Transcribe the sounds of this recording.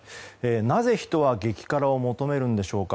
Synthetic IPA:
eːnaze̞çi̥t̪o̞β̞aɡe̞kʲi̥kaɾao̞mo̞t̪o̞me̞ɾɯ̟̃nd̪e̞ɕo̞ːka

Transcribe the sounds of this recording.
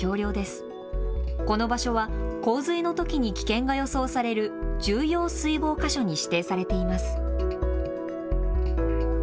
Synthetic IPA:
o̞ːɾʲjo̞ːd̪e̞sɨ̥ | ko̞no̞baɕo̞βako̞ːzɨino̞t̪o̞kʲiɲ̟ikʲi̥kẽ̞ŋɡajo̞so̞ːsaɾe̞ɾɯ̟d͡ʑɨːjo̞ːsɨibo̞ːkaɕo̞ɲ̟iɕi̥t̪e̞ːsaɾe̞t̪e̞imasɨ̥

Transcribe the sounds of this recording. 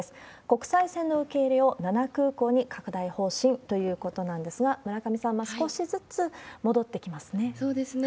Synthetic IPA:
sɨ̥ | ko̞kɯ̟̥saisẽnːo̞ɯ̟ke̞iɾʲeo̞nanakɯ̟ːko̞ːɲ̟ikakɯ̟d̪aiho̞ːɕĩnt̪o̞jɯ̟ːko̞t̪o̞nãnd̪e̞sɨɡamɯ̟ɾakamʲisãɰ̃ːasɨ̥ko̞ɕizɨt͡sɨmo̞d̪o̞t̪ːe̞kʲimasɨne̞soːd̪esɨn

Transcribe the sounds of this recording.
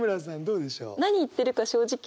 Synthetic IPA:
mɯɾas̬ãnd̪o̞ːd̪e̞ɕo̰ːnaɲ̟iːt̪ːe̞ɾɯ̟kaɕo̞ːʑikʲ

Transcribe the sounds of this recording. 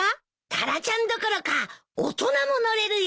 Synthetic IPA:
a | t̪ʰaɾat͡ɕãnd̪okoɾokao̰t̪o̞namo̞no̞ɾe̞ɾɯ̟j

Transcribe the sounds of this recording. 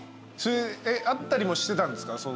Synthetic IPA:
soeeʔat̪ːaɾʲimo̞ɕi̥t̪e̞t̪ãnd̪e̞sɨ̥kaso

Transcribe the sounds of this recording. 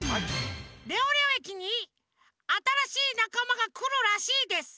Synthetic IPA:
ɾʲo̞ːɾʲo̞ːe̞kʲiɲ̟i | at̪aɾaɕiːnakamaɡakɯ̟ɾɯ̟ɾaɕiːd̪e̞sɨ̥

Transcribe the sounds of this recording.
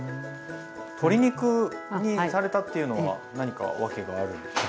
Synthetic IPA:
t̪ʰo̞ɾʲiɲ̟ikɯɲ̟isaɾe̞t̪at̪ːe̞jɯ̟no̞βa̰naɲ̟ika̰βake̞ɡaːɾɯ̟

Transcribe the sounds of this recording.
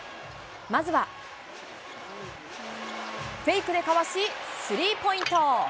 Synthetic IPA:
mazɨβa | ɸe̞ikɯ̟d̪e̞kaβaɕisɨɾʲiːpo̞ĩnt̪o

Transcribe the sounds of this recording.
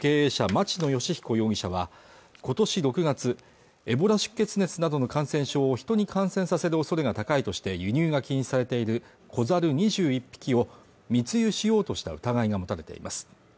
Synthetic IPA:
ke̞ːeːɕamat͡ɕino̞jo̞ɕiçi̥ko̞jo̞ːɡʲiɕaβ̞a | ko̞t̪o̞ɕiɾo̞kɯ̟ɡat͡sɨ | e̞bo̞ɾaɕɨ̥kːe̞t͡sɨne̞t͡sɨnad̪o̞no̞kãɰ̃sẽ̞ɰ̃ɕo̞ːçi̥t̪o̞ɲ̟ikãɰ̃sẽsase̞ɾɯ̟o̞so̞ɾe̞ɡat̪akait̪o̞ɕi̥t̪e̞jɯ̟ɲ̟ɨːɡakʲiɲĩsaɾe̞t̪e̞iɾɯ̟ | kʰo̞zaɾɯ̟ɲ̟iʑɨːipʲːi̥kʲio̞ | mʲit͡sɨjɯɕijo̞ːt̪o̞ɕi̥t̪a̰ɯ̟t̪aɡaiɡamo̞t̪aɾe̞t̪e̞̰ḭmʔasɨ̥

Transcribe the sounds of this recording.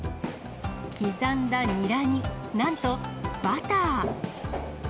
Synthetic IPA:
kʲizãnd̪aɲiɾaɲ̟i | nãnt̪o̞b̥at̪aː

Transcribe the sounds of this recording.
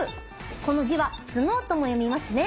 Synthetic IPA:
ɯ | ko̞no̞ʑiβat͡sɨnoːt̪o̞mo̞jo̞mʲimasɨne̞

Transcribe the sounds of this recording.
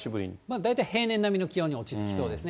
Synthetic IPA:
ibɯ̟ɾʲḭɲimad̪ait̪aihe̞ːnẽ̞nːamʲino̞kʲijo̞ːɲ̟io̞t͡ɕit͡sɨ̥kʲi̥so̞ːd̪e̞sɨn

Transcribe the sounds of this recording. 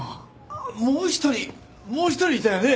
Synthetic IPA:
moːçi̥t̪oɾʲi | moːçi̥t̪oɾʲiit̪ajane

